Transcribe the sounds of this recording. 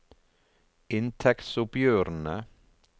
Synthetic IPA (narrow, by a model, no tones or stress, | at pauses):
ɪnt̪ʰɛk̪sʊpjøːɾn̩ə